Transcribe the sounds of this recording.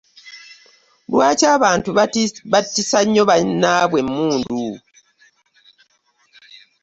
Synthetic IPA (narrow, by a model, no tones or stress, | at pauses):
lwaːcaːβaːntuβatːisaɲːoβanaβwe̞mːuːndu